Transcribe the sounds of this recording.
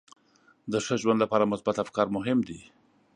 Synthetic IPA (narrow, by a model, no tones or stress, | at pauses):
d̪əʂəʒwand̪lapɑɾamʊsbat̪afkɑɾmʊɦɪmd̪i